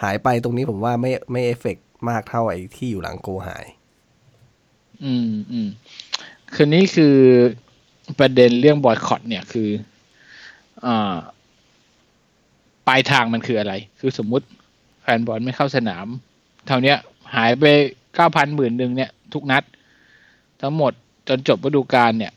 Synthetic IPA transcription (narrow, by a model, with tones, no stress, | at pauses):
haː˩˦jpa˧jt̪̬o˧ŋniː˦˥pʰo˩˦mwaː˥˩ma˥˩jma˥˩jʔeː˦˥fe˨˩k̚maː˥˩k̚t̪ʰa˥˩wʔa˧jt̪ʰiː˥˩juː˨˩la̰˩˦ŋkoː˧ha̰ː˩˦j | ʔɯː˧mʔɯː˧m | kʰɯː˧niː˦˥˩kʰɯː˧ | pɾa˧de˧nɾɯ˥˩əŋbɔː˧˩jkʰɔ̰˨˩t̪̚ni˥˩ɐkʰɯː˧ | ʔaː˨˩ | paː˧jt̪ʰaː˧ŋma˧nkʰɯː˧ʔa˧ɾa˧jkʰɯː˧so˩˦mːu˦˥t̪̚ | fɛː˧nbɔː˧nma˥˩jkʰa˥˩wsa˧na̰ː˩˦m | t̪ʰa˧˩wni˦˥ɐ | haː˩˦jp̬a˧jkaː˥˩wpʰa˧nmɯː˨˩nːɯ˨ŋni˥˩ɐt̪ʰu˦˥k̚na˦˥t̪̚ | t̪ʰːa˦˥ŋmo˨˩t̪̚ | t͡ɕo˧nt͡ɕo˨˩p̚ba˧duː˧kaː˧nːi˥˩ə